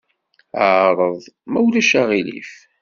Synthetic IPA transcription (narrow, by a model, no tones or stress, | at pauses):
aɾˤəðˤmæwlæʃaʁilḭf